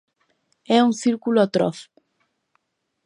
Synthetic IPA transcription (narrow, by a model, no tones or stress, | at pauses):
ɛuŋθiɾkulʊat̪ɾɔ̰θ